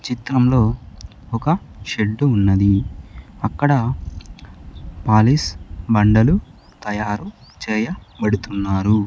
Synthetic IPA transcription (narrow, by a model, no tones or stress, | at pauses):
t͡ʃit̪ɾɐmlo̞ː | ɔkɐ | ʃeɖːuːnːɐd̪i | ɐkːɐɽɐ | paːlisbɐɳɖɐlu | t̪ɐjaːɾut͡ʃɛːjɐbɐɽut̪unːaːɾu